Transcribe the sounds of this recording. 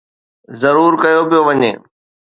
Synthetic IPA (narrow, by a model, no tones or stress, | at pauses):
zɐɾuːɾkɐjopijoʋɐɲḛː